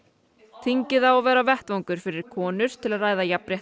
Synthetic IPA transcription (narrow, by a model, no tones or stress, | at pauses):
t̪ʰiɲcɪðawɔvɛːɾavɛht̪vawŋkʏɾ̥fɪɾɪɾ̥kʰɔːnʏɾ̥t̪ʰɪlaðraːjðajapɾjɛht̪